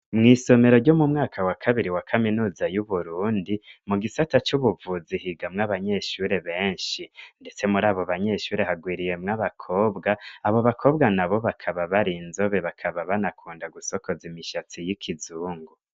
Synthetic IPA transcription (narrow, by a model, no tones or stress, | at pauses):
mŋiːso̞me̞ɾo̞ɾɟo̞mumŋaːkʰawakʰaβiɾiwakʰaminuːzajuβuɾuːndimuɡisatat͡ʃuβuvuzihiɡamŋaβaɲe̞ʃuɾe̞βe̞ːɲʃinde̞t͡se̞muɾaːβoβaɲe̞ʃuːɾe̞ɦaɡwiːɾije̞mŋaβakʰo̞ːbɡaːβo̞βakʰo̞bɡanaβo̞βakʰaβaβaɾiːnzo̞βe̞βakʰaβaβanakʰuːndaɡuso̞ko̞zimiʃat͡sijikʰizuːŋɡu